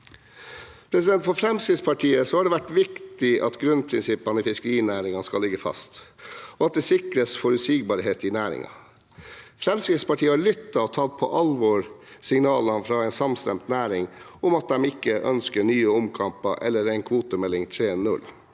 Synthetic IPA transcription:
pʰɾɛsɪd̪ɛnt̪fɔɾfɾɛmskɾɪt̪spʰɑʈʰiːəsɔhɑɖɛʋæʈʋɪkt̪ɪʔɑ̰t̪ɡɾʉnpʰɾɪnsɪpːɑnəɪfɪskəɾiːnæːɾɪŋɑnskɑlːɪɡəfɑ̰st̪ | ɔɑt̪̚d̪ɛːsɪkɾəsfɔɾʉsɪɡbɑːɾɦeːt̪ɪnæːɾɪ̰ŋɑ̰ | fɾɛmskɾɪt̪spɑʈʰiːəhɑɭʏt̪ːɑɔt̪ʰɑːlt̪̚pʰɔ̰ʔɑlʋɔːɾsɪŋnɑːlɑnfɾɑːæɪnsɑmst̪ɛ̰mt̪næːɾɪŋʊmɑt̪̚d̪ɛmɪkːəʔœ̰nskəɳyːəʊmkʰɑmpəʔɛ̰lːəɾæɪnkʰʋuːt̪əmɛlːɪŋt̪ʰɾeːnʉ̰l

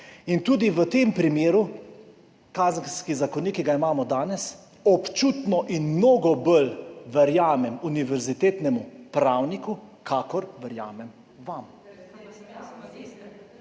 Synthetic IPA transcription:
int̪uːd̪iʋət̪eːmpɾimeːɾu | kaːznskizakɔniːkiɡaimaːmɔd̪aːnɛs | ɔpt͡ʃut̪nɔʔinmnoːɡɔbəlʋɛɾjaːmɛmuniʋɛɾzit̪eːt̪nɛmupɾaːwnikukʰaːkɔɾʋɛɾja̰ːmɛm | ʋam

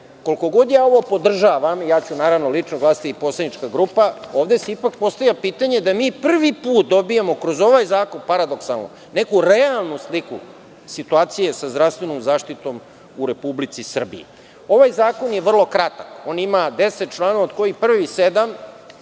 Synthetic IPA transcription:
koliko̞ɡo̞d̪jaːo̞ʋopo̞d̪r̩ʒaːʋamijaːt͡ɕunaːɾaʋnolit͡ʂnoɡlˠaːst̪iipo̞sled̪it͡ʃkaɡɾupao̞ːʋd̪eseipak̚po̞st̪avjapiːt̪aɲed̪amiːpr̩ʋipuːt̪̚d̪o̞bijemo̞kɾozo̞ʋajzaːko̞npaɾad̪o̞ksa̰lˠno̰ | nekuɾealˠnuslikṵ | sit̪uaːt̪sije̞sazd̪ɾafst̪ʋe̞noːmzaːʃt̪it̪o̞m | uɾe̞publit̪sisr̩bḭi | o̞ʋajzaːko̞njeʋr̩lˠo̞kɾat̪ako̞ːnimad̪eset̪̚t͡ʃlˠaːnoʋaod̪ko̞jipr̩ʋised̪am

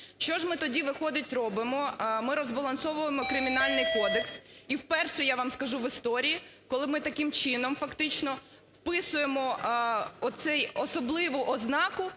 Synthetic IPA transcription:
ʃt͡ʃɔʒmɪt̪ɔdʲiʋɪxɔd̪ɪtʲrɔbɪmɔmɪɾɔzbɐlˠɐnsɔʋʊjemɔkɾɪmʲinɑlʲnɪjkɔd̪eksiwpɛrʃɛjaʋamskɐʒuʋɪst̪ɔɾʲijikɔlˠɪmɪt̪ɐkɪmt͡ʃɪnɔmfɐkt̪ɪt͡ʃnɔ | wpɪsʊjemɔ | ɔt̪sɛjɔsɔblˠɪʋʊʔɔznɑkʊ

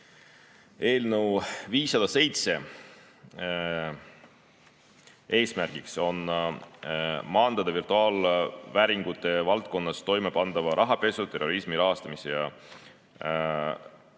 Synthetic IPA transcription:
e̞ːlnəwviːsːɑd̪̥ɑse̞jt̪se̞ | e̞ːsmærɡ̥ikso̞n | mɑːnd̪̥ɑd̪ɑvirt̪uɑːlvæːɾiŋɡ̥ut̪ːˑe̞vɑlt̪̚ko̞nːɑst̪o̞jme̞pɑnd̪ɑvɑɾɑɦɑpe̞sut̪e̞rːo̞ɾismiɾɑɦɑst̪ɑmisejɑ

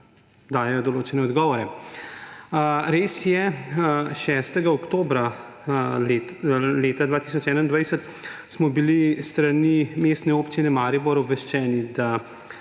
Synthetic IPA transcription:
d̪aːjɛjɔd̪ɔloːt͡ʃɛnɛɔd̪ɡɔːʋɔɾɛ | ɾeːsjɛ | ʃɛːst̪ɛɡaɔkt̪oːbɾa | leːt̪ad̪ʋaːt̪is̬ɔt͡ʃɛːnand̪ʋajsət̪ | smɔbilist̪ɾanimeːst̪nɛoːpt͡ʃinɛmaːɾiboɾɔbʋɛʃt͡ʃɛːnid̪a

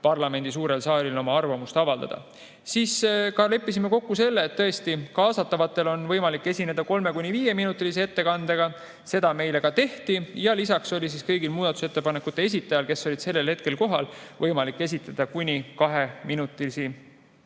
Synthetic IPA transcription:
pɑrlɑme̞nd̪̥is̬uːɾe̞lsɑːlilo̞mɑɑrvɑmust̪ɑvɑld̪ɑ̰d̪̥ɑ̰ | siskɑle̞pːˑis̬imeko̞kːuse̞lːeːt̪ːɤe̞st̪ikɑːsɑt̪ːˑɑvɑt̪ːˑe̞lo̞nvɤjmɑlikːˑe̞sʲine̞d̪̥ɑko̞lme̞kunʲiviːje̞minut̪ːˑilis̬ie̞t̪ːe̞kɑnd̪̥eɡ̥ɑ | se̞d̪̥ɑme̞jle̞kɑt̪e̞ht̪ijɑlisɑkso̞lʲis̬iskɤjɡilmuːd̪̥ɑt̪ːˑu̥se̞t̪ːe̞pɑne̞kːˑut̪ːˑe̞es̬ʲit̪ːˑɑjɑlke̞sːo̞lʲid̪̥se̞lːe̞lhe̞t̪̚ke̞lko̞ɦɑlvɤjmɑlikːe̞s̬ʲit̪ːˑɑd̪̥ɑkunʲikɑɦe̞minut̪ːˑilisi

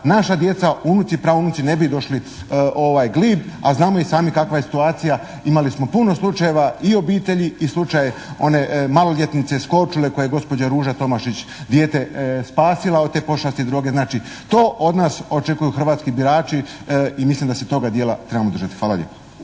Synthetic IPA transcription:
naʃad̪je̞t̪saunut̪sipɾaːʋounut̪sine̞bid̪o̞ʃli | o̞ʋajɡliːba̰znaːmo̞isaːmikakʋaje̞si̥t̪uaːt̪sija | imalismo̞puno̞slˠut͡ʃaje̞ʋaio̞biːt̪e̞ʎiislˠut͡ʃajeo̞ne̞malo̞ʎʲjet̪nit̪se̞sko̞t͡ʃule̞ko̞jeeɡo̞spo̞d͡ʑaɾuːʒat̪o̞maʃit͡ɕd̪jeːt̪e̞spaːsilˠaot̪e̞ːpo̞ʃast̪id̪ɾoːɡe̞znaːt͡ʃi | t̪o̞ːʔo̞d̪naːso̞t͡ʃe̞kujuxr̩ʋaːt̪skibiɾaːt͡ʃiimislimd̪aset̪o̞ɡad̪jeːlat̪ɾebamod̪rʒat̪i̥xʋaːla̰lʎḛpḁ

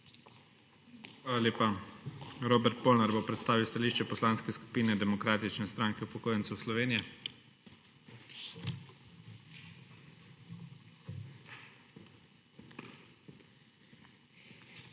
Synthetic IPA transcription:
xʋʋaːlaljeːpa | ɾoːbɛɾt̪̚poːlnaɾbopɾɛt̪st̪aːʋiwst̪aliːʃt͡ʃɛpɔslaːnskɛsku̥piːnɛd̪ɛmɔkɾaːt̪it͡ʃnɛst̪ɾaːŋkɛupɔkoːjənt̪sɛwslɔʋeːnijɛ

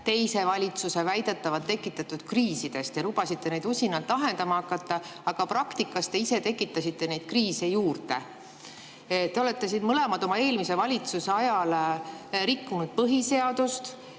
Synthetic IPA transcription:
t̪e̞jse̞vɑlʲit̪suse̞væjd̪̥et̪ːɑvɑt̪ːe̞kːˑit̪ːˑɑt̪ːˑud̪̥kriːsid̪̥e̞st̪elub̥ɑsit̪ːˑe̞nejd̪usʲinɑlt̪ːˑɑɦe̞nd̪ɑmɑɑkːɑt̪ːˑɑɑɡ̥ɑprɑkt̪ikːˑɑst̪e̞ise̞t̪e̞kːˑit̪ːˑɑsit̪ːe̞ne̞jd̪̥̚kriːsejuːrt̪e̞ | t̪ːe̞o̞le̞t̪ːe̞siːnmɤle̞mɑd̪̥o̞mɑe̞ːlmise̞vɑlʲit̪suse̞ɑjɑl | ɾikːunud̪̥̚pɤɦise̞ɑd̪̥ust̪

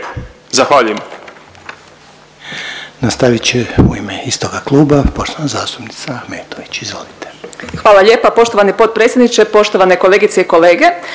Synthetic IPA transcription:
zaxʋaːʎujem | nast̪aʋit͡ɕeuimeist̪oɡaklˠuːbapo̞ʃt̪loʋnazaːst̪upni̥t̪saxmeːt̪oʋit͡ɕizʋo̞̰lit̪e̥xʋaːlˠalʎe̞ːpapo̞ʃt̪oʋanipo̞t̪̚pɾet̪sjed̪nit͡ʃepo̞ʃt̪o̞ʋaneko̞leɡit̪seiko̞le̞ːɡe̞

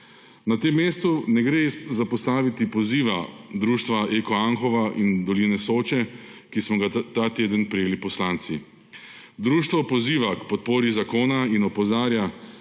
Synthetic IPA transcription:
nat̪emːeːst̪unɛɡɾezapɔst̪aːʋit̪ipɔziːʋad̪ɾuːʃt̪ʋaʔekɔaŋxɔʋaʔind̪ɔliːnɛsoːt͡ʃɛkismɔɡat̪at̪eːd̪ənpɾɛjeːlipɔslant̪si | d̪ɾuːʃt̪ʋɔpɔziːʋakpɔt̪̚poːɾizakoːnainɔpɔzaːɾja

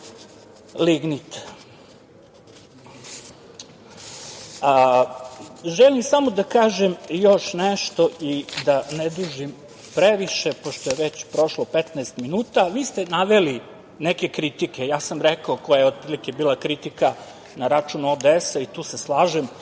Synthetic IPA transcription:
liɡnit̪ | ʒelimsamo̞d̪akaːʒemjoʃneʃt̪o̞ʔid̪aned̪ɾuʒim | pɾeʋiʃe̞poʃt̪ojeʋet͡ɕpɾo̞ʃlˠopet̪nɛːst̪minuːt̪aʋiːst̪enaʋeli | neke̞kɾit̪ikejaːsamɾekaoko̞jajeod̪̚pɾilik̟e̞biːlˠakɾit̪ika | naɾat͡ʃunuod̪eesait̪uːseslˠaːʒem

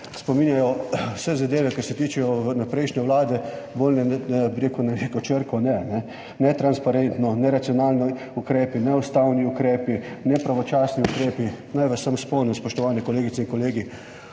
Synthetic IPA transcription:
spɔmiːnjajɔwsɛzad̪eːʋɛkɐɾsɛt̪iːt͡ʃɛjɔnapɾɛɪʃnʲɛʋlaːd̪ɛbolnɛbiɾeːkunaɾekɔt͡ʃəɾkɔnɛnɛ | nɛt̪ɾanspaɾent̪nɔnɛɾat̪siɔnaːlni | ukɾeːpinɛust̪awniukɾeːpinɛpɾaʋɔt͡ʃaːsniukɾeːpinajʋasamspɔnɛmspɔʃt̪ɔʋaːnɛkɔleːɡitsɛĩŋkɔleːɡi

